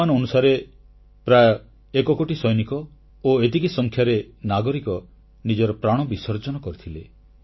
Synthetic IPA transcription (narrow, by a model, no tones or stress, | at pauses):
anɔɔnusaɾe | pɾajɔ | ekɔkoʈisɔjnikɔ | oet̪̬ikisɔŋkʰjaɾenaɡɔɾikɔ | nid͡ʒɔɾɔpɾaɽ̃ɔbisɔɾd͡ʒɔnɔkɔɾit̪ʰile